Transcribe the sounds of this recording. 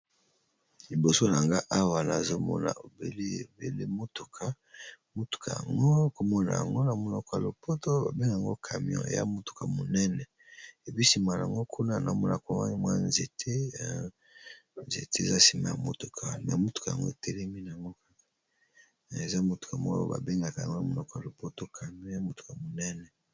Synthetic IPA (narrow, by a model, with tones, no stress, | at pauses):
li˨bo˨so˦na˨ŋɡa˦ʔa˦wa˨na˨zo˦mɔ̰˦na̰˨o˨be˨le˦e˨bḛ˨lḛ˦mo˦tu˨kʰa˨ | mo˦tu̥˨kʰa˨ja̰˨ŋɡo˦ko˨mɔ˦na̰˨ja̰˨ŋɡo˦na˨mo˦nɔ˦ka˨lo˨po˦to˦a̰˨be˦ŋ˨a˨ŋɡo̰˦kʰa˨mi˦ɔ̰̃˦ḛ˨ja̰˦mo˦tu̥˨ka˨mo˨nɛ˦nɛ˨ | e˨bi˦si˨ma˨la̰˨ŋɡo˦kʰu˦na˦˨na̰˨mo˦la˨ko˨ma˦ni˨mwa˦˨nze˨tʰe˦ | nzḛ˨te˦˨za˦si˨ma˨a˨mo˦tu˨kʰa˨mɛ̰˨mo˦tu̥˨ka˨a̰˨ŋɡo˦e˨tɛ˦lɛ˦mi˦na˨a˨ŋɡo˦ka˦ka˨ | e˨za˦mo˦tu̥˨ka˨ma̰˦ba̰˨be˦ŋɡa˨ka˨ŋɡo˦na˨mo˦nɔ˦kɔ˨a˨lo˨po˦to˦kʰa˨mjɔ̃˦ja˦mo˦tu̥˨ka˨mo˨nɛ˦nɛ˨